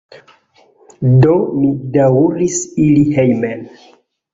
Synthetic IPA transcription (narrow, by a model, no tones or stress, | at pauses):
domidauɾisilihejmen